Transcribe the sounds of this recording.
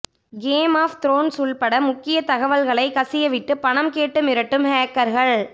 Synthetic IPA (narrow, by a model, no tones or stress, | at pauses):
ɡeːmaːft̪ɪɾoːnsuɭpɐɽɐmʊkːɪjɐt̪ɐɣɐʋɐlɣɐɭɐɪkɐsɪjɐʋɪʈːɯpɐɳɐmkeːʈːɯmɪɾɐʈːɯmhaːkːɐɾɣɐɭ